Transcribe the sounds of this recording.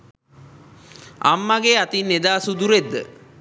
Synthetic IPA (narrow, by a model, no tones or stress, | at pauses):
a̰mːaɡeat̪inːed̪aːsud̪uɾed̪ːə̰